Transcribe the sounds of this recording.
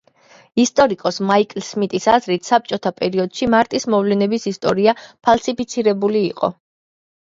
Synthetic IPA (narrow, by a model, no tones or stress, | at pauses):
ist̪ʼɔɾikʼɔsmaikʼlsmit̪ʼisazɾit̪ʰsap̚t͡ʃʼɔt̪ʰapʼɛɾiɔd̪̥ʃimaɾt̪ʼismɔvlɛnɛbisist̪ʼɔɾiapʰalˠsipʰit̪sʰiɾɛbuliːqʼɔ̰